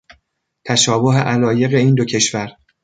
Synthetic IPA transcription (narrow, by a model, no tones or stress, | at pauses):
t̪ʰæʃɒːbo̞ɦeʔælɒːje̞ɣe̞iːnd̪ocʰe̞ʃvæɾ